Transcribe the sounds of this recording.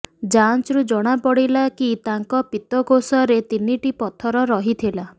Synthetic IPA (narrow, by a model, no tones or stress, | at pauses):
d͡ʒant͡ʃɾud͡ʒɔɽ̃apɔɽilakit̪aŋkɔpit̪ɔkosɔɾet̪iniʈipɔt̪ʰɔɾɔɾɔɦit̪ʰila